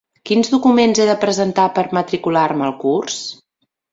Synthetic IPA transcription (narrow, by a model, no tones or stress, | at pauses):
kinzðukumenzeðəpɾəzənt̪apəɾmət̪ɾikularməlˠkurs